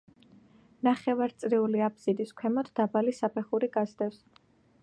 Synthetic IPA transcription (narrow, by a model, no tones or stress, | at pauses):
naχɛvaɾt̪sʼɾiuliapʰsid̪iskʷʰwɛmɔd̪d̪abalisapʰɛχuɾiɡazd̪ɛfs